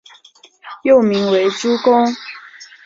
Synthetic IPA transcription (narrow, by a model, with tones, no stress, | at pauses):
jo˥˨ʊmi˨˦ŋwe˨˦ɪʈ͡ʂu˦kʊ˦ŋ